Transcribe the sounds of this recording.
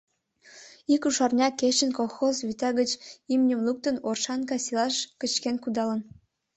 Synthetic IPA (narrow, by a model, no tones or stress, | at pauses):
ikuʃɑrnʲɑkeʃə̆nkolˠxozβyt̪ɑɣət͡ɕimnʲəmluk̚t̪ə̆norʃɑnkɑsilˠɑʃkə̆t͡ɕkenkud̪ɑlə̆n